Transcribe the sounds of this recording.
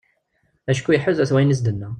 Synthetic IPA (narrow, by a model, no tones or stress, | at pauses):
æʃkujəħʊðæθwæjnəs̬d̪ənːæ